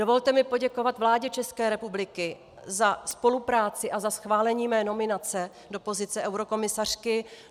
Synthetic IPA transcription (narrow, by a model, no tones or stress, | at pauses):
do̞vo̞lt̪ɛmɪpo̞ɟɛko̞vat̪vlaːɟɛt͡ʃɛskɛːɾɛpublɪkɪ | zaspo̞lupɾaːt͡sɪʔazasxvaːlɛɲiːmɛːno̞mɪnat͡sɛ | do̞po̞zɪt͡sɛʔɛwɾo̞ko̞mɪsar̝̥kɪ